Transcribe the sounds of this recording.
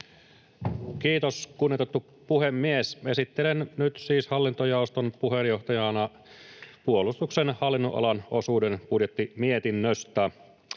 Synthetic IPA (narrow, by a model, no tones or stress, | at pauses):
kiːt̪oskunːit̪et̪ːu | puhemːiesesit̪ːelennyt̪siːshɑlːint̪ojɑˑost̪onpuhenjoht̪ɑjɑnɑ | puolust̪uksenhɑlːinːoʔɑ̰lɑnʔosuːdenpudjet̪ːimiet̪inːøst̪æ